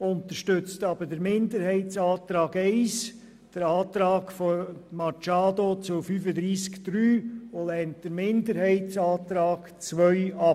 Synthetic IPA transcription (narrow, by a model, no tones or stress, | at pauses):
ʊntəɾʃtʏt͡stɑb̥ədəɾmɪndəɾhɛɪtsɑːtɾɑːɡɛɪs | d̥əɾɑːt̪ɾɑːɡfomɑt͡ʃaːdot͡sʊfyːfəd̪ɾiːskd̥ɾyːolɛnt̚d̥əɾmɪndəɾhɛɪtsɑːt̪ɾɑːɡ̥t͡sʋœʏɑ